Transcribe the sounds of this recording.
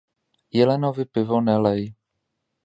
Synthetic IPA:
jɛlɛnovɪpɪvonɛlɛj

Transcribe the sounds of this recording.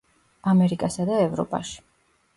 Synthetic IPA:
amɛɾikʼasad̪aɛvɾɔ̰pʼa̰ʃi̥

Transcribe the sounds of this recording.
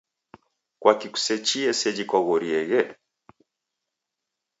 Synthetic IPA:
kwakiku̥sɛt͡ʃiɛsɛd͡ʒikwaɣɔɾiɛɣɛ

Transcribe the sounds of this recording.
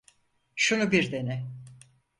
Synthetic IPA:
ʃunubiɾd̪e̞nɛ

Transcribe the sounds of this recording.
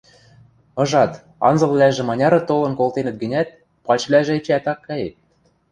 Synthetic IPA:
ɤ̆ʒɑt̪ | ɑ̰nzɤ̆lˠβlæʒĕmɑnʲɑɾɤ̆t̪olɤ̆nkolˠt̪enɘ̆t̪̚ɡɘ̆nʲæt̪̚ | pɑt͡ɕβlʲæʒĕĕt͡ɕæt̪ɑkːæjet̪̚

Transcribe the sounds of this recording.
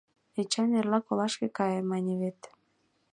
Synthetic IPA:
et͡ɕɑnerlɑkolɑʃkekɑjemɑnʲeβet̪

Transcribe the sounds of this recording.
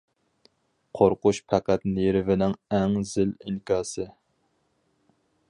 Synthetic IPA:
qʰoɾqʊʃpʰæqæt̪neɾɪvɪnɪŋɛŋzɪliŋkʲɑːsɨ

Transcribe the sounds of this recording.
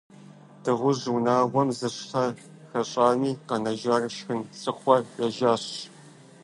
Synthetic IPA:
d̥ɨʁʷʊʑːnaːwʷɔmzɨɕtʰɐ | xɐɕʼaːniːqɐnɐʒarɨʃxɨnsɨχʷɔrjɐʒaːɕ

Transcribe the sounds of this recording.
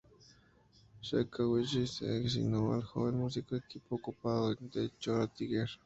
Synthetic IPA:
ʃekawiʒisḛeks̬ḭnoβa̰lxo̰βenmus̬ikoekipokupaðoend̪et͡ʃoɾat̪iɣeɾ

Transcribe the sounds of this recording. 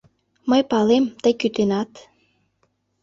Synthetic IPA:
məjpɑlemt̪əjkyt̪enɑt̪

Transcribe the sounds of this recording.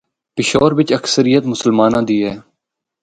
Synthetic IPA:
pɪʃɔːɾʋɪt͡ʃəksəɾɪjət̪mʊsəlmaːnãːd̪iːɦɛː

